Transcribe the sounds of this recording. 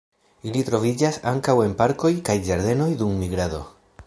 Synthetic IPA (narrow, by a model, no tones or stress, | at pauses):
ilitɾo̞vid͡ʒasaŋkawe̞npaɾko̞jkajd͡ʒaɾd̪e̞no̞jdumːiɡɾaðo̞̰